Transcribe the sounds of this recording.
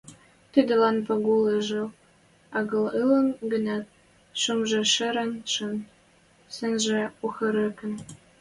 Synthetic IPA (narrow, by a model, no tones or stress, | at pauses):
t̪id̪ɘ̆lɑnpɑɡuleʒɤ̆ | ɑɡɤ̆lɯlɤ̆nɡɘ̆nɑt̪̚ | ʃumʒĕʃɘ̆ɾɘ̆nʃɤ̆n | sɘ̆nʒĕuxɤ̆ɾɘ̆kɘ̆n